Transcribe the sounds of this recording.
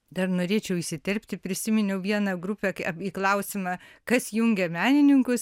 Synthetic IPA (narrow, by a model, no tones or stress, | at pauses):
d̪ɐrnoːɾʲeːt͡ʃʲɛʊɪʃsʲɪt̪ʲɛɾʲpʲt̪ʲɪpʲɾʲɪsʲɪmʲɪnʲɛʊʋʲiɛnɐɡɾʊpʲɛkɐiːklˠɐʊsʲɪmɑkɐsjʊŋʲɡʲɛmʲæːnʲɪnʲɪŋkʊs